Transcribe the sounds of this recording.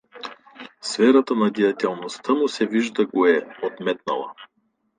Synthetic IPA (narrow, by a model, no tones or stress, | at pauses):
svɛɾət̪ənɐd̪iɐt̪ɛlˠnost̪ʰamosɛviʒd̪əɡoɛot̪mɛt̪̚nə̰lˠə̰